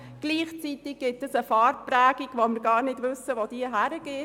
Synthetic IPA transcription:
ɡ̥liːχt͡sitɪɡ̚ɡ̥ɪtəsəfɑːɾt̚pɾæːɡ̥iɡ̥ʋoməɾɡɑːɾnɪdʋɵsəʋod̥iːəɦæɾəɡ̥eː

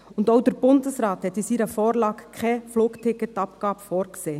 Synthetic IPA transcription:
ʊndoʊdəɾb̥ʊndəsɾɑːthɛt̪ːisiːɾəfoːɾlɑːɡkʰɛfluːktʰɪkːətɑp̚ɡ̥ɑːbəfoːɾkseː

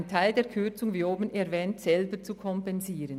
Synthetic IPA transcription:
ntʰaɪldeːɐkʰʏt͡sʊŋviːoːbənɛɾvɛːntsɛlbət͡sukʰɔmpɛnziːɾən

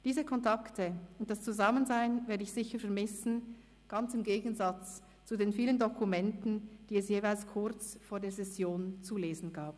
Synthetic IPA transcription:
d̥iːzəkʰɔntʰaktʰəʊnt̚d̥ast͡suzamənzaɪnvɛːɐdəɪçz̥ɪçəfɛɐmɪsn̩ | ɡ̥ant͡sɪmɡeːɡən̩zat͡s | t͡sudeːnfiːləndokʰumɛntn̩d̥iːɛsjeːvaɪlskʰʊʁt͡sfoːɐdeːɐzɛsjoːnt͡suleːzn̩ɡaːp

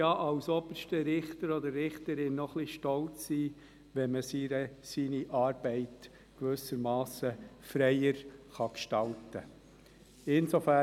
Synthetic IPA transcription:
jɑːʔɑwsɔbəɾʃtəɾɪχtəɾɔd̪əɾːɪχtəɾɪnnɔχliʃtɔlt͡sːiː | ʋɛnməsiɾəsiːniʔɑːɾbɛɪt | kʋʏsəɾmɑːsəfɾɛɪəɾχɑkʃtɑltə | ɪnsofæ

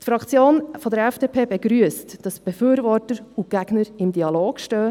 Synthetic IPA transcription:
tfɾɑkt͡sjoːnfɔdəɾɛfd̥eːpʰeːbɛɡɾyəstd̥ɑsb̥ɛfyːɾvɔɾtəɾuɡ̥æɡ̥nəɾɪmdiɑloːɡ̥ʃtœː

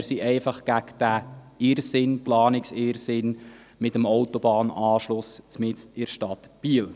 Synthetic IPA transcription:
ɾsiʔɛɪfɑχɡ̥ækd̥æ | ɪɾsɪnplɑːnɪksɪɾsɪn | mɪtəmowtɔbɑːnɑːʃlʊst͡smɪt͡stɪɾʃtɑt̪b̥iːəl

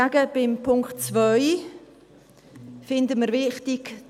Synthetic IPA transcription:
aɡəb̥ɪmpʰʊŋktt͡svœʏ | fɪndəməɾvɪχtɪk

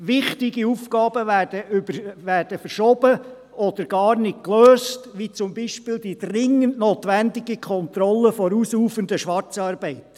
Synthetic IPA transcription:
ʋɪχtɪɡiufkɑːb̥əʋæd̥əybəʋæːrd̥əfəɾʃɔb̥ə | ɔd̪əɾɡ̥ɑːrnɪt̚kløːstʋit͡sʊmbiːʃpɪːldid̥rɪŋəntnoːt̪ʋændɪɡikʰχɔnt̪ɾɔlːəfɔɾuːsuːfəndəʃʋɑrt͡sɑːɾb̥ɛɪt

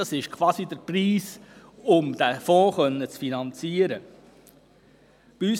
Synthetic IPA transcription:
ɑsɪʃkʰʋɑːsid̪əɾpriːsʊmd̥̪æfɔ̃ːχœnːət͡sfinɑnt͡siəɾə | b̥iys

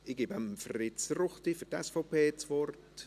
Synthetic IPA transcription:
ɪɡ̥eːbamfrɪt͡srʊχtifydɛ̰sfɔʊpeːt͡svɔɾt

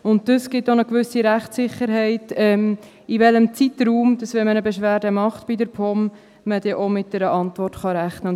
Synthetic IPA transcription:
ʊnt̚d̥əsɡ̥ɪtonəkʋʏsiɾæχtt͡sɪχəɾɦɛɪtɛm | iʋɛləmt͡sitɾuːmd̥ɑsvʋɛnmənəbeʃʋæːɾdəmɑχtb̥idəɾpʰɔm | məd̥ɛʔomɪt̚d̥ɛɾəʔɑntvɔrtχɑɾæχnə

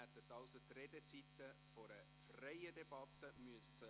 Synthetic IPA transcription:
æt̪ːət̪ɑʊsət̪red̪ət͡sit̪ə | fɔɾə | frɛɪəd̪ebɑt̪əmyəstə

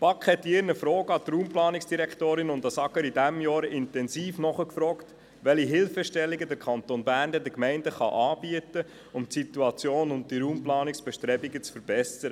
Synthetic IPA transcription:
pɑkχhɛt̪ːiɪɾnəfɾɔːɡəɑt̪ruːmplɑːniksd̥iɾɛkt̪oːɾɪnʊnd̪ɑsɑɡəɾidæmjɑːɾɪntɛnsiːfnɔχəkfɾɔːkt | ʋɛliɦɪlfəʃtɛlːiɡədəɾkʰɑnt̪onbæːɾndɛdəkmɛɪndəχɑ̰ʔɑːbiətə | ʊmtsit̪uɑt͡sjoːnʊnt̚diɾuːmplɑːniksb̥ɛʃtɾɛbiɡət͡sfəɾb̥ɛsəɾə

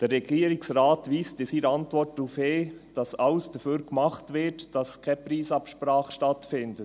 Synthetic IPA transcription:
d̥ərːɛɡ̥iːəɾɪksraːtʋiːstɪsiːɾɑntvɔrt̚duːfheːd̥ɑsɑlsd̥əfyːɾkmɑχtʋɪtd̥ɑskʰɛpɾiːsɑpʃpɾɑːχʃtɑtfɪndə

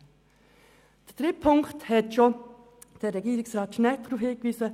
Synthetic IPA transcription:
d̥əd̥ʁɪpʰʊŋkthɛtʃo | d̥eːɾɛɡiːɾɪksʁɑːtʃnɛld̥ɾuːfhɪːkʋyːsə

